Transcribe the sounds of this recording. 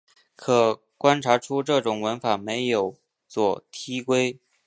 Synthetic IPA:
kʰɤ˨˩ | kwa˥nʈ͡ʂʰa˧˥ʈ͡ʂʰu˥ʈ͡ʂɤ˥˩ʈ͡ʂʊ˨˩ŋwə˧˥nfa˨˩me˧˥ɪjo˨˩ʊ | t͡swɔ˥˩t̪ʰi˥kwe˥ɪ

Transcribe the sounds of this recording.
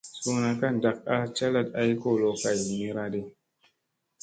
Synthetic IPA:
su˨na˨ka˦n˨da˨k̚a˦t͡ʃa˦la˦˨t̚a˦jko˦˨lo˨ka˨jmi˦ɾa˦ɗe˦

